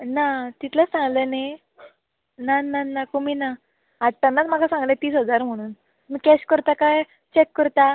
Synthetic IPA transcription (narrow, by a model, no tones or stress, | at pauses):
nat̪it̪lasãŋɡləne | nananːakumina | aʈ̪ːanːat͡sm̤akasãŋɡlet̪iːsɦəd͡zaɾm̤əɽ̃uːn | mikɛɕkəɾt̪akaj | t͡ɕekːəɾt̪a